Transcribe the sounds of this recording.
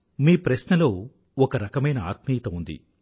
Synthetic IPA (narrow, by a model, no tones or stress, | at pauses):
miːpɾɐsnɐlo̞ː | ɔkɐɾɐkɐmɐjnɐa̰ːt̪miːt̪ɐund̪ḭ